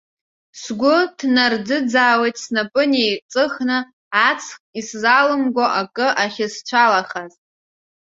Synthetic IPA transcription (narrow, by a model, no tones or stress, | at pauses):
sɡʷʊdʰnard͡zɨd͡zaːwejtʼsnapʼɨnejt͡sʼɨχnɨ | at͡sʰχiszalɨmɡʷaʔakʼɨʔaχʲɪst͡ʃʷʰalaχaz